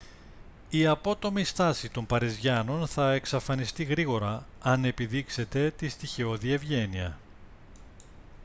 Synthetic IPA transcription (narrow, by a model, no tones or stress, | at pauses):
iɐpo̞t̪o̞mist̪ɐsit̪o̞mpɐɾizʝɐno̞nθɐeksɐfɐnist̪iɣɾiɣo̞ɾɐ | ɐne̞piðikse̞t̪e̞t̪ist̪içeo̞ðie̞vʝe̞niɐ̰